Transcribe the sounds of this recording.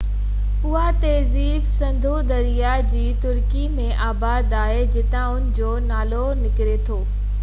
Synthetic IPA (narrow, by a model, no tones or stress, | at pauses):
ʊɦat̪ɛːziːbsɐ̃nd̪ʱud̪ɐɾija | d͡ʑiːt̪ʊɾkimẽʔaːbaːd̪aːɦed͡ʑɪt̪ãʊnɪ̆d͡ʑoːnaːlonɪkɪɾet̪ʰoː